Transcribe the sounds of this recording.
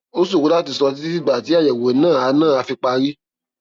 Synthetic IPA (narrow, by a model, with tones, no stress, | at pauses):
o˦s̬u˦˨ku˧˦la˦˨t̬i˨sɔ˧t̬i˦i˦fi˦˨ba˨ti˨˦a˦˨jɛ˨we˨˦nãː˦˨a˧˦nãː˦˨a˧fi˧k͡pa˧ɾi˦